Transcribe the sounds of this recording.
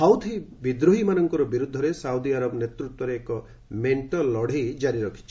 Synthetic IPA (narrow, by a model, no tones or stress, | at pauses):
sawd̪ʱibid̪ɾuɦimanɔŋkɔɾɔbiɾud̪ʱːɔɾesawd̪iaɾɔbnet̪ɾut̪wɔɾeːkɔ | meɳʈɔlːɔɽ̤ʱejd͡ʒaɾiɾɔkʰi̥t͡ʃʰi̥